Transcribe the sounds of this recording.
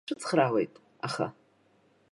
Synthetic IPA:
ɨt͡sʰχrawḛjtʼ | aχa̰

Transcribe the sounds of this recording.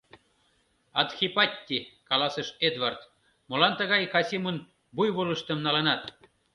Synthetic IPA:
ɑt̪xʲipɑt̪ʲːikɑlɑsəʃed̪vɑrt̪ | molɑnt̪ə̆ɣɑjkɑsʲimən | bujβuləʃt̪əmnɑlɤnɑt̪

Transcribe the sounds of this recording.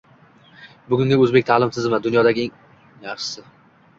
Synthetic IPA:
bʊɡʲʊŋɡʲaɵzbek̚ʲt̪ʰalɪmt̪ʰɪzmad̪ʊnjɒd̪aɡʲɪeŋ | jaχʃɪ̥sɪ

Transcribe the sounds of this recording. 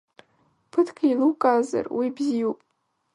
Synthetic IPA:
pʰɨtʰkʰailɨwkʼaza̰rwʔibzijupʼ

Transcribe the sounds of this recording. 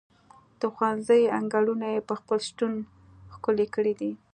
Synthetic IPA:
d̪̥əxwanzəjaŋɡaɽunajepəxpəlʃʈun | xkʊlekəɽid̪i

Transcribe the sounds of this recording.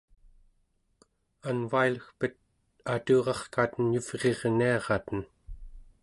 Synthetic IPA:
anvailəxpət̪̚ | at̪uːʁɑχkaːt̪ənjuv̥ʁe̞ʁniɑʁɑt̪ən

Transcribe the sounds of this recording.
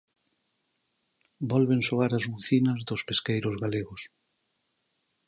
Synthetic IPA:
bɔlβensoaɾazβuθinɐzðospeskejɾozɣaleɣos

